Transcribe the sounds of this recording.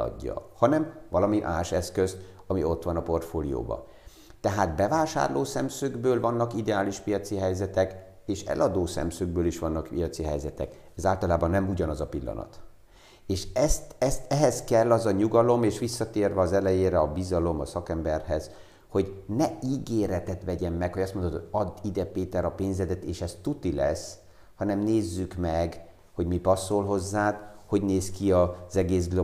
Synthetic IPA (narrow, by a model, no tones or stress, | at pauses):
ɒ̰ɟːɒ̰hɒnɛmvɒlɒmiʔaːʃɛskøzt̪ | ɒmio̞t̪ʋɒnɒpo̞rt̪foːlḭjo̰ːbɒ̰ | t̪ɛɦaːt̪bɛvaːʃa̰ːrloːsɛmsøːɡbøːlvɒnːɒkid̪ɛaːliʃpijɒt̪siɦɛjzɛt̪ɛk | eːʃɛ̰lʔɒd̪oːsɛ̰msøːɡ̚bøːliʃʋɒnːɒkpijɒt̪siɦɛjzɛt̪ɛ̰k | ɛzaːlt̪ɒlaːbɒnːɛmuɟɒnɒzɒpilːɒ̰nɒ̰t̪ | eːʃɛst̪ɛst̪ɛɦɛskɛlːɒzɒɲuɡɒlo̞meːʃʋisːɒt̪eːrvɛɒzɛlɛjeːɾɛɒbizɒlo̞mɒsɒkɛmbɛrhɛz | ho̞ɟnɛiːɡeːɾɛt̪ɛt̪ʋɛɟɛmːɛkhoɟɒst̪monot̪oɒd̪id̪ɛpeːt̪ɛɾɒpeːnzɛd̪ɛt̪eːʃɛst̪ut̪ilɛs | hɒnɛmneːzːykmɛɡ | ho̞ɟmipɒsːolɦo̞zːaːt̪ho̞ɟneːskiɒz̥ɛɡeːsɡlo